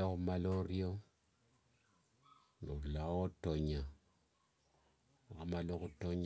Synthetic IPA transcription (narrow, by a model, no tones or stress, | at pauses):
okumaloɾio | nolawotoɲa | akamalokutoɲ